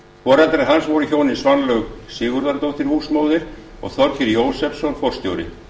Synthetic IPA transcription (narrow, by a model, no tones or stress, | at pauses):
kʰɔɾat̪ɾɛɦansvɔwɾʏçoːwnɪnsvanlœɣsɪːɣʏɾðaɾt̪owt̪ɪɾhusmowðɪɾ̥ | ɔ̰ɣθɔɾcɪɾjoːwsɛpsɔnfɔr̥st̪jo̰wɾɪ̰